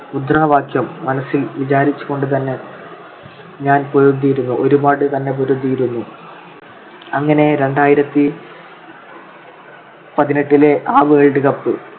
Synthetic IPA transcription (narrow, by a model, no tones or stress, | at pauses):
ud̪raːʋaːkʰjɐmːɐnɐsːilʋid͡ʑaːɾit͡ɕːu̥ɣo̞ɳɖɨt̪̬ɐnːe̞ | ɲaːnpoɾod̪ːijiɾunːuʔo̞ɾubaːɽɨt̪ɐnːe̞p̬oɾod̪ːijiɾunːu | ɐŋːɐne̞ɾe̞ɳɖaːjiɾɐt̪ːi | pɐðineʈːileʔaːʋeːɭɖɨɣɐpːɨ